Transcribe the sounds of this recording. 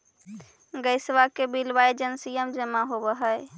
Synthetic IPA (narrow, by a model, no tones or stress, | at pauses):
ɡəɪsʋakebilbaed͡ʒənsijəmd͡ʒəmaɦobəɦəj